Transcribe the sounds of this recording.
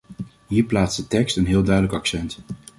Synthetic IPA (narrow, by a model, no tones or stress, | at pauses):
ɦiːɹplaːtsdətɛkstənɦɪːlˠdœɥdələkɑksɛnt